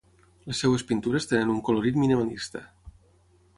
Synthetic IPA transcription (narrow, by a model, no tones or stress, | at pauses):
lesːewespint̪uɾest̪enənuŋkoloɾit̪minimalist̪ə̰